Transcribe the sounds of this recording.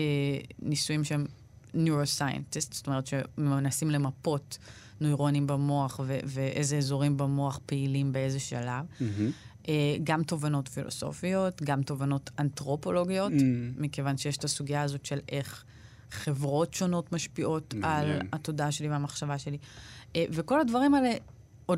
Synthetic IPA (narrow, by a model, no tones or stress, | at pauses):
enisujimʃeem | njuosajḛntist̪z̥o̥t̪o̞me̞ʁetʃemenasimle̞mapo̞t | nojʁonimbemo̞aχveveʔezeezo̞ʁimbemoaχpeilimbe̞e̞zeʃalav | ʔeɡamto̞vano̞tfilo̰so̰fio̞tɡamto̞vano̞tantʁo̞po̞lo̞ɡijo̞t̪mikevanʃejeʃe̥t̪asuɡiaːzo̞tʃe̞lʔe̞χ | χe̞vʁo̞tʃo̞no̞tmaʃpiʔo̞talha̰to̞daaʃe̞liveamaχʃavaʃe̞liʔeveko̞ladvaʁimale | od